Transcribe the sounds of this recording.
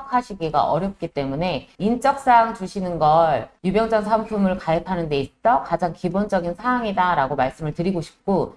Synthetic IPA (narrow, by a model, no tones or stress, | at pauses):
kʰaɕʰiɡeɡa̰ʔʌɾjʌp̚k͈it͈e̞mune̞int͡ɕ͈ʌk̚s͈aŋt͡ɕuɕʰinɯnɡʌɭjubjʌŋd͡ʑʌnsʰampʰumɯɭkajɯpʰanɯnde̞it͈ʌkad͡ʑaŋkibond͡ʑʌɡinsʰaaŋidaɾaɡomaɭs͈ɯmɯɭtɯɾiɡoɕʰi̥p̚k͈o